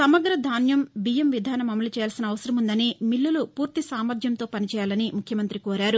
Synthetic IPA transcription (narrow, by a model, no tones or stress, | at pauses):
sɐmɐɡɾɐd̪ʱaːnjɐmbijɐmʋid̪ʱaːnɐmɐmɐlut͡ʃɛːjaːlsinɐːʋɐsɐɾɐmund̪ɐnimilːulupuːɾt̪isaːmɐd̪ʱjɐmt̪o̞ːpɐnit͡ʃɛːjaːlɐnimukʰjɐmɐnt̪ɾikoːɾaːɾu